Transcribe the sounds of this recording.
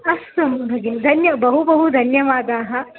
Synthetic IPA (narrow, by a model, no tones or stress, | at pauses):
ɐsɐmbʱɐɡind̪ʱɐnjɐbɐɦubɐɦud̪ʱɐnjɐʋaːd̪aːɦɐ